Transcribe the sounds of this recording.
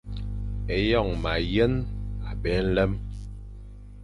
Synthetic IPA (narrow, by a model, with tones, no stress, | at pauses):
e˨jɔ˦˨ŋma˨jə˦na˨ɓɛ˨˦n̩˦lɛ˦m